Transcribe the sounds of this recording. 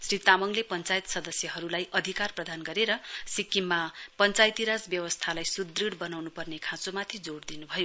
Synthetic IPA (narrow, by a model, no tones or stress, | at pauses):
srit̪amʌŋlepʌnt͡sajt̪sʌd̪ʌsjʌɦʌɾulajʔʌd̪ʱikarprʌd̪ʱanɡʌɾeɾʌsikimːapʌnt͡sajt̪iɾad͡zbjʌwʌst̪ʰalajsud̪riɽbʌnawnupʌrnekʰãt͡somat̪ʰid͡zoɽd̪inubʱʌjo